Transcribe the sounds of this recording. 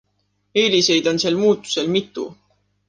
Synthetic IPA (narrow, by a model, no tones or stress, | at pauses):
eːlise̞jd̪̥o̞nseːlmuːt̪ːˑu̥se̞lmit̪ːˑṵ